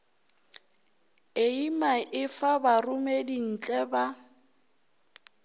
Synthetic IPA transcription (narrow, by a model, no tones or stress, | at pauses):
eimaʔɪfabarʊmedin̩t͡ɬʼɛba